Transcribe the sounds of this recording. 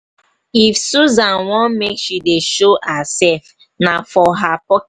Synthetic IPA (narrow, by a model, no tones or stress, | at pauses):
ifsuzãnwɔ̃nmekʃideʃoasɛlf | nafɔɦapɔk